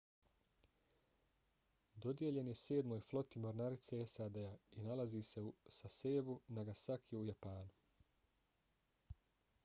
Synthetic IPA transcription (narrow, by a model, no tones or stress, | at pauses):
d̪o̞d̪je̞ʎe̞nje̞se̞ːd̪mo̞jflˠo̞t̪imo̞ɾnaɾit̪se̞esaːd̪eainalazise̞usase̞ːbunaɡasakʰiujapaːnu